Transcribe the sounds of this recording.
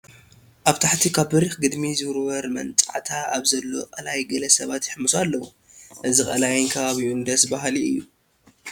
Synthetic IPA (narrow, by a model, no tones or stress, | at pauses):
ʔaβt̪ʰaħt̪ʰikʰaβbɨɾixɡɨd̪mizɨɾwɐɾmɐ̰nt͡sʼaʕt̪ʰaaβzɐlːo̞̰qʼɐlajɡɐlɐsɐβat̪jɪħmɨsalːɐwu | ʔɨzikʼɐlajɨnkʰɐβaβiund̪ɐsbaɦliɨjːu